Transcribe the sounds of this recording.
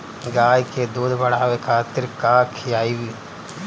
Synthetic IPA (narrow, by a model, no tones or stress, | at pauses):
ɡaːjked̪oːd̪ʱbɐɽaːʋekʰaːt̪ɪɾkaːkʰɪjaːiwiː